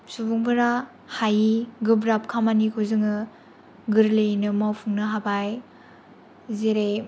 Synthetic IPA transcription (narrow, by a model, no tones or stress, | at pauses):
subuŋbɯɾa | hajiɡɯbɾap̚kʰamanikʰuzɯŋɯ | ɡɯɾlejnɯmawpʰuŋnɯɦabaj | zeɾe